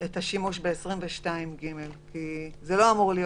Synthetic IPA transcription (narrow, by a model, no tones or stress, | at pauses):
etaʃimuʃbeesʁimveʃtaimɡime̞lkizelo̞amuʁlij